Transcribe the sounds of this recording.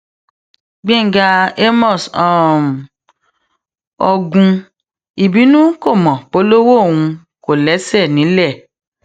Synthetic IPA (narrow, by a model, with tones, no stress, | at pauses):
ɡ͡bĩ˦˨ɡa˧e˦mɔ̃˦˨sɔ̃˦m˨ | ɔ˧ɡũ˧ | i˨bi˨˦nũ˦ko˦˨mɔ̃˨k͡po˨˦lo˦wo˦˨wũ˧ | ko˨lɛ˨˦sɛ˦˨nĩ˨˦lɛ˦˨